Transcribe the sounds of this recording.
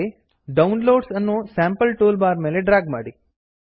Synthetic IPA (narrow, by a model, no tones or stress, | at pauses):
e | ɖɐwnloːɖsɐnːusaːmpɐlʈuːlbaːɾmeːleɖɾaːɡma̰ːɽi